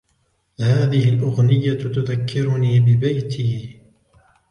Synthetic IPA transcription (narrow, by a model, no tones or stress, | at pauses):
haːðɪhɪlʔʊɣnɪjːat̪ʊðakːɪɾʊniːbɪbajt̪ʰiː